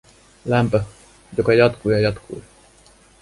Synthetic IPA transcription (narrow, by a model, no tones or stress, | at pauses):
læmpø | jokɑjɑt̪kujɑjɑt̪kʰṵj